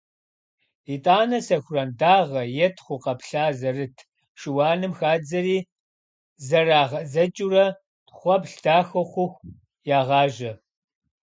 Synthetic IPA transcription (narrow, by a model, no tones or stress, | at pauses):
itʼaːnɐsɐxʷʊrɐndaːʁɐjɛtʰχʷʊqɐpɬaːzɐrɨtʰ | ʃɪwɑːnɨmxaːd͡zɐriː | zɐraːʁɐzɐt͡ʃʼurɐ | tχʷɔpɬdaːxɐχʷʊxʷ | jaːʁɑːʒɐ